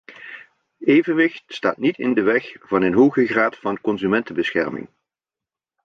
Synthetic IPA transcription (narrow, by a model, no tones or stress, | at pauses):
eːjvənʋɪxtsta̰ːtnitɪ̰ndəʋɛxv̥ɑnənɦoːɣəχraːtfɑnkɔnzymɛntəbəsxɛ̰rmɪ̰ŋ